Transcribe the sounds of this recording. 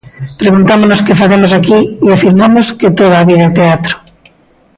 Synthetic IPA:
pɾeɣunt̪amonoskefaθemosakiiafiɾmamosket̪oðaβiðat̪eat̪ɾo̥

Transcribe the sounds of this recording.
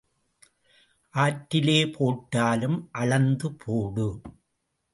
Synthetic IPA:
ʔaːʈːɪleːpʰoːʈːaːlɯmʔɐɭɐnd̪ɯpʰoːɽɯ

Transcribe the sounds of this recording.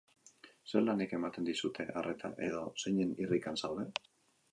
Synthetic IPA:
se̞ɾlaneke̞mat̪e̞nd̪isut̪ʰe̞ʔaret̪ʰa̰ʔe̞ð̞o̞seɲenirikansawðe̞

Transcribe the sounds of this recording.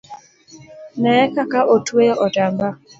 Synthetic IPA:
nɛkakaʔotwejɔʔɔdamba

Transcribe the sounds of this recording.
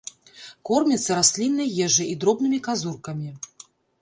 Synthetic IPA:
kɔrmʲɛt̪sːɐɾasʲlʲinːɐjjɛʐɨid̪ɾɔbnɨmʲikazurkɐmʲi

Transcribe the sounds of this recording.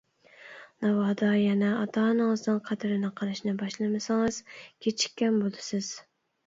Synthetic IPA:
nɑwɑːd̪ɑjɛnɛɑt̪ʰɑːnɨŋɨznɨŋqʰæd̪ɪɾɪnɪqʰɑlˠɨʃnɪbɑʃlˠɨmɨsɪŋɨz̥kʲʰet͡ʃʰi̥kʲːɛnbolˠd̪ɨsɪz̥

